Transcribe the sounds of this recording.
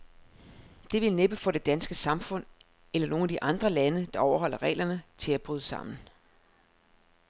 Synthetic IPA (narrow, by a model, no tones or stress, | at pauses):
d̥e̝ʋe̝lneb̥əfɒ̽ɾ̥e̝d̥ænsɡ̥əsɑ̈mfɔ̽n̰ | elɐno̝ːnæd̥iʔɑ̈nd̥ʁɐlænəd̥ɑ̈ʔɒʊɐɦɒ̽l̰ɐʁɛ̰ːlɐnət͡sʰe̝læb̥ʁyːðˠəsɑ̈m̰n̩